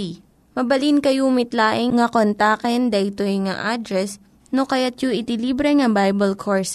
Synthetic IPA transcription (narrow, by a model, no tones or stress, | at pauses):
mɐbɐlinkɐjumɪt̪laːʔɪŋŋɐkont̪aːkɛnd̪ɐʔɪt̪ojŋa̰ʔad̪ɾɛs | nokɐjat̪̚joʔɪt̪ɪliːbɾɛŋɐbajbɐlkʰoɹs